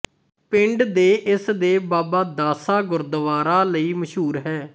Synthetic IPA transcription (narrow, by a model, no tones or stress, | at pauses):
pɪ̃ɳɖd̪eːʔɪsd̪eːbaːbaːd̪aːsaːɡʊɾd̪əʋaːɾãːləiːməʃɦuːɾɦɛː